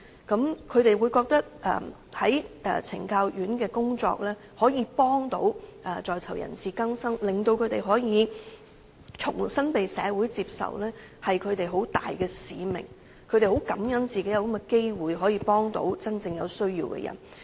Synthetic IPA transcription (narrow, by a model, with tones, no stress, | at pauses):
kɐ˨˥mkʰɵ˨˧ɥt̪e˨jwuː˨˧jkɔː˧k̚t̪ɐ˥k̚ʔɛ̰ː˨ | hɐ˨˥jɛː˨t͡sʰɪ̰˨˩ŋkaː˧wjyː˨˥nkɛː˧kʊ˥ŋt͡sɔ̰ː˧k̚lɛː˥ | hɔː˨˥jiː˧pɔː˥ŋt̪o̰˨˥wʔɛ˨t͡sɔː˨jt̪ʰɐ˨˩wjɐ̰˨˩nsiː˨kɐ˥ŋsɐ˥ŋlɪ˨ŋt̪o˧wkʰɵ˨˧ɥt̪e˨jɦɔː˨˥jiː˨˧ | t͡sʰʊ˨˩ŋsɐ˥npe˨jsɛ̰ː˨˧wuː˨˥jt͡siː˧p̚sɐ̰˨wlɛː˥ | hɐ˨jkʰɵ˨˧t̪e˨jɦo˨˥wt̪a̰ː˨jkɛː˧siː˨mɪ̰˨˩ŋ | kʰɵ˨˧ɥt̪e˨jho˨˥wkɐ˨˥mjɐ˦˥nt͡siː˨ke˨˥jɐ˨˧wkɐ˥mɛ˧ke˥jwuː˨jɦɔː˨˥jiː˧pɔː˥ŋt̪o̰˧˥wt͡sɐ˥nt͡sɪ˧ŋjɐ˨˧wsɵ˥ɥjiː˧wkɛ̰˧jɐ̰˨˩n